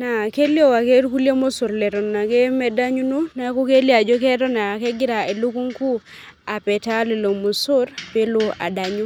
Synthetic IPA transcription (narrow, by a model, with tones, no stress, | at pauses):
na˨ke˦li˦o˦wa˨ke˦ɾku˦lje˦mo˦su˨ɾlɛ˨ɾɔ˨nna˨ke˦me˦da˦ɲu˦nu˦na˨˦ku˦ke˦li˦a˨d͡ʒo˦ke˦ɾɔ˦na˨ke˦ɡi˦ɾa˨e˨lu˦ku˦ŋku˦ | a˨pɛ˨ta˦li˨lo˨mu˨su˦ɾpe˦lu˦a̰˨da˨ɲu˦